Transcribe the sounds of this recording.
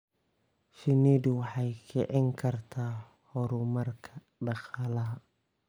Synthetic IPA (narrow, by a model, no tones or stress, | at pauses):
ʃɪniːd̪wɑħɑjkʰɛʕɪŋkʰɐrt̪ʰaː | hɔɾumɐrkʰɐ | ɖɑqɑːlɐɦɐ